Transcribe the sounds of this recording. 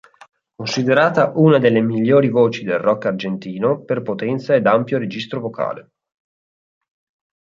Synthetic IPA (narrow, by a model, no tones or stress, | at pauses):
konsid̪eɾaːt̪aʔuːnad̪elːemiʎːoːɾivoːt͡ʃid̪elrɔkːard͡ʒent̪iːnoperpot̪ɛnt̪saed̪ampjoɾed͡ʒist̪ɾovokʰa̰ːle